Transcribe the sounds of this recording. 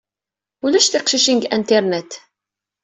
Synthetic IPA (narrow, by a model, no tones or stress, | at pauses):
ulæʃθiqʃiʃinɡænt̪ɛɾnɛt̪